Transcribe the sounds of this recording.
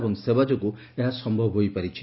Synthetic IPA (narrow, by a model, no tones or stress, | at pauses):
bɔŋsebad͡ʒɔku | eɦasɔmbʱɔbʱɦojpaɾit͡ʃʰi